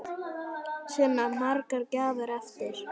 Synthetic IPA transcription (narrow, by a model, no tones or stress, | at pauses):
sɛːmamarkaɾcaːðaɾɛft̪ɪɾ̥